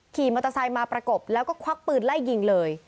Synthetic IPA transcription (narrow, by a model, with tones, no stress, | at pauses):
kʰiː˨˩ma˧˩t̪ːa˧saː˧jmaː˧pɾa˧ko˨˩p̚lɛː˦˥wkɔː˥˩kʰwa˦˥k̚pɯː˨˩nla˥˩jːi˨˧˩ŋlɤː˧j